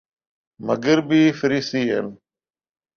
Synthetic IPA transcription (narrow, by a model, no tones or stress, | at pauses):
məɡəɾbiːfɪɾiːsiːɦə̰n